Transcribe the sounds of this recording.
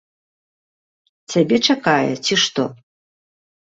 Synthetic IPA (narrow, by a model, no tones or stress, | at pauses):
t͡sʰʲabʲɛt͡ʂakajɛ̰t͡sʲiʂt̪ɔ̰